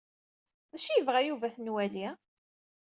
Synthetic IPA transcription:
ðæʃijəvʁæjuvæθnwæli

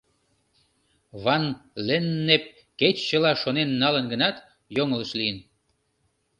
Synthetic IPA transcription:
βɑnlenːep̚ | ket͡ɕːəlɑʃonenːɑlənɡənɑt̪ | joŋələʃlijən

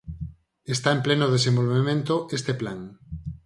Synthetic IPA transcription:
est̪aemplenoð̞es̬ẽmbolβemẽnt̪oʔest̪eplaŋ

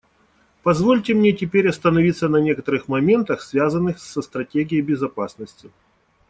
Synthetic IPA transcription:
pɐzvolʲtʲɪmnʲetʲɪpʲeɾʲɐst̪ənɐvʲit̪sːənɐnʲe̞kət̪əɾɨxmɐmʲe̞nt̪əxsvʲazənːɨxsːəst̪ɾɐtʲeɡʲɪjɪbʲɪzɐpasnəsʲtʲɪ

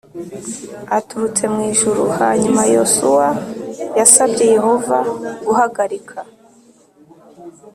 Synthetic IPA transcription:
atuɾut͡se̞mŋiːʒuɾuhaːɲumajo̞suwajasabɟe̞je̞ho̞va̰ɡuɦaɡaɾikʰa

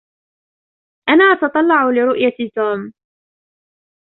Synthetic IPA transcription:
ʔanaːʔɑt̪ɑt̪ˤɑlːɑʕʊlɪɾʊʔjat̪uːm

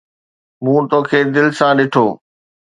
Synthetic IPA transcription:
mũːt̪oːkʰeːd̪ɪlsãɗɪʈʰoː

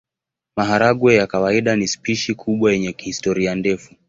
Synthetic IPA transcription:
maɦaɾaɡwɛjakawaiɗanispiʃikʰuɓwajɛɲɛkihistɔɾiandɛfu

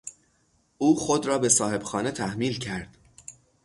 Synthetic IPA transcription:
ʔuːxod̪ɾɒːbe̞sɒːhe̞b̥xɒːne̞t̪ʰæhmiːlcʰæɾd̪̥

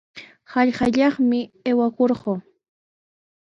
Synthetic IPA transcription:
hɑʎχɑʎɑχmɪewakoɾɢo

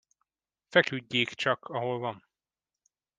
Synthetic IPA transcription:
fɛkyɟːeːkt͡ʃɒkʰɒɦolvɒɱ

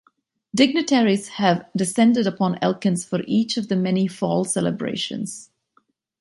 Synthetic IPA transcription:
dɪɡ̚nɨtʰɛɹiz̥həvdɨsɛ̃ndɨɾəpʰɔ̃nɛ̰lˠkɨ̃nz̥fəɹʔit͡ʃʌvðɨmɛnifɔ̰lˠsɛlˠə̰bɹḛɪʃɨ̰̃nz̥

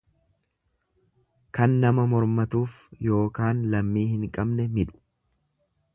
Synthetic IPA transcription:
kɐnːɐmɐmɔɾmɐt̪uːfjo̞ːkaːnlɐmːiːhɪŋkʼɐbnɛmɪᶑʊ̥

